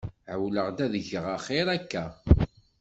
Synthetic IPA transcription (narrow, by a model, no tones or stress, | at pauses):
ʕəwləʁd̪æðəʝəʁaχeɾˤækːæ